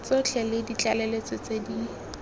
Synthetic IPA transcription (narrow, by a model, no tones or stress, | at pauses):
t͡sɔt͡ɬʰɛlɪdit͡ɬʼalɛlet͡sɔt͡sedi